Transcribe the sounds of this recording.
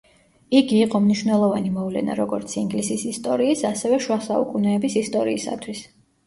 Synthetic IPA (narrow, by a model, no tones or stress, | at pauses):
iɡiːqʼɔmniʃwvnɛlˠɔvanimɔvlɛ̰na̰ɾɔɡɔɾt̪sʰiŋɡlisisist̪ʼɔɾiːsasɛvɛʃwasaṵkʼunɛːbisist̪ʼɔɾiːsa̰t̪ʰwis